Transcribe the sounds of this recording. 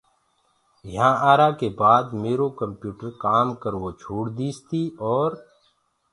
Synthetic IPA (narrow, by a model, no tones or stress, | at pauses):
jɦãːʔaːɾaːkeːbaːd̪meːɾokəmpjuːʈəɾkaːmkəɾʋoːt͡ʃʰuːɽd̪iːst̪iːɔːɾ